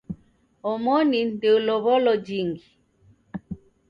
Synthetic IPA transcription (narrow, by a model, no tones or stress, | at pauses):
ɔmɔnindeulɔβɔlɔd͡ʒiŋɡi